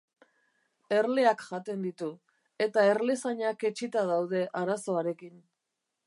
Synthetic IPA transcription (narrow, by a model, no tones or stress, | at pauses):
e̞ɾle̞akʝat̪e̞nd̪it̪u | e̞t̪ae̞ɾle̞saɲake̞t͡ʃit̪aðawðe̞ʔaɾaso̞aɾe̞kin